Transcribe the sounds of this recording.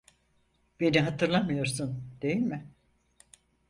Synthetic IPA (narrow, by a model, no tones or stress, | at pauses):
b̥e̞niɦat̪ʰɯɾlˠamɯjo̞ɾsund̪̥e̞jilʲmɪ